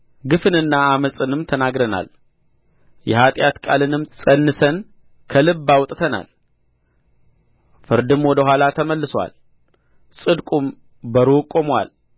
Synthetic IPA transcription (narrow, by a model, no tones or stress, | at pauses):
ɡɨfɨnɨnːaːməsʼɨnɨmt̪ʰənaɡɾəna̰l | jɛhat̪ʼjat̪kʼalɨnɨmsʼənːɨsən | kʰəlɨbːawt̪ʼt̪ʰəna̰l | fɨɾd̪ɨmwɔd̪əhʷalat̪ʰəməlːɨswa̰l | sʼɨd̪kʼum | bəɾokʼːomwa̰l